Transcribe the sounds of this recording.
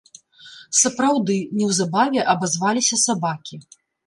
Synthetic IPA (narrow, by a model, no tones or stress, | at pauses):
sɐpɾawd̪ɨnʲɛwzabavʲɛʔɐbazvalʲisʲɐsabakʲi